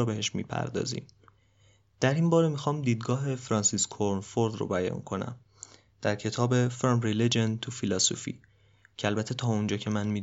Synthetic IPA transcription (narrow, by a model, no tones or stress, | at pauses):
beheʃmḭːpʰæ̰ɾd̪ɒ̰ːzḭːm | d̪̥æɾimbɒːɾe̞mixɒːmd̪iːd̪ɡɒːɦe̞fɾɒːnsiskʰoɾnfoɾd̪ro̰bæjɒ̰ːnkʰo̞næ̰m | d̪̥æɾcʰe̞t̪ʰɒːbe̞felmɾeled͡ʒent̪ʰufilɒsofḭː | cʰeælbæt̪ʰe̞t̪ʰɒːond͡ʒɒːcʰe̞mænmiːd̪